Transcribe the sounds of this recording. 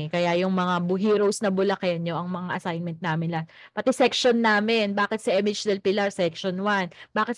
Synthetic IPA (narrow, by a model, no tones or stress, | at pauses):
kɐjajʊŋmɐŋabʊɦiːɾowsnɐbʊlɐkɛɐnːoʔɐŋmɐŋaʔɐsajnmɛnt̪̚naːmɪnlɐŋpɐt̪ɛsɛkʃonːaːmɪnbaːkɪt̪sɐʔɛmɪd͡ʒd̪ɛlpɪlɐɹsɛkʃonwanb̥aːkɪt̪